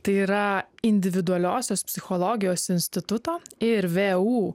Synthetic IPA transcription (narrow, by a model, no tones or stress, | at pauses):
t̪ɐɪiːɾɐɪnʲd̪ʲɪʋʲɪd̪ʊɐlʲoːsʲoːspʲsʲɪxɔlˠoːɡʲɪjoːsɪnʲsʲt̪ʲɪt̪ʊt̪oːɪɾʋʲeːuː